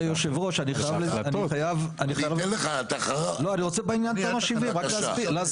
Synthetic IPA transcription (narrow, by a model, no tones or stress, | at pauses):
joʃevʁoʃaniχajavlaniajavaniχajavlnleχat̪aχloaniʁot͡sebeinjant̪amaʃiviʁakaztlaz